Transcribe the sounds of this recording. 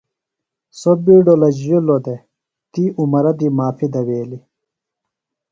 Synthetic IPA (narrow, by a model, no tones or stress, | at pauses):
sobiːɖolɐd͡ʑjolod̪e | t̪iumɐɾɐd̪imaːfid̪ɐweːli